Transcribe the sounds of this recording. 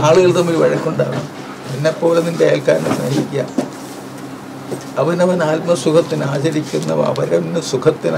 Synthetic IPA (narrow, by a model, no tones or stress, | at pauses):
aːɭuɣɐɭt̪ɐmːilʋɐɻɐkʲːuɳɖa̰ːɳɐ | penːepːo̞ːlenindeeːlkaːɾɐnɐsnɐ̰ɦikʲːa̰ː | ɐʋɐnɐʋɐnaːlmɐsukʰɐt̪ːinaːɕɐɾikʲːunːɐ̰ʋɐ̰ɐ̰ʋɐɾenːɨsukʰɐt̪ːin